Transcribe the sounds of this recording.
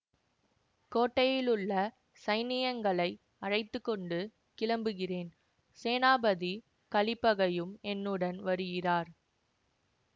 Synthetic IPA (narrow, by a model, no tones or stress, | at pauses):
koːʈːɐjɪlɯɭːɐ | sɐɪnɪjɐŋɡɐɭɐɪ | ɐrɐɪt̪ːɯkːɔɳɖɯ | kɪlɐmbɯɣɪreːn | seːnaːbɐði | kɐɭɪpːɐɣɐjɯmɛnːɯɽɐnʋɐɾɯɣɪraːɾ